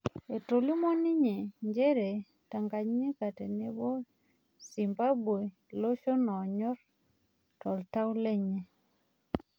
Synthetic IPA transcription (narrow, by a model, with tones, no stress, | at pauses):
e˨to˨li˦mɔ˦ni˦ɲe˨ɲd͡ʒe˦ɾe˨ | ta˨ŋɡa˨ɲɲi˦ka˨te˨ne˦bo˦ | si˨mba˦bwe˨ | lo˦ʃo˦nɔ˨ɲɔ˦ɾ | tɔ˨lta˦wu˦le˦ɲe˨